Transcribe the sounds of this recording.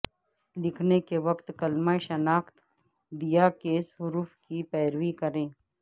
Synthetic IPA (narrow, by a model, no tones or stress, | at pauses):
lɪkʰnekeʋɐkt̪kɐlmaːeʃɐnaːxt̪ | d̪ijakeːsɦʊɾuːfkipɛːɾʋikɐɾẽː